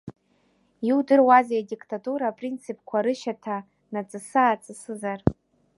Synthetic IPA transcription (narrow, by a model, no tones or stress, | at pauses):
iwdɨrwazajadikʼtʰʼatʼuɾapʼrint͡sʰipʰʼkʷʰaɾɨʃatʰa | nat͡sʼɨsaːt͡sʼɨsɨzar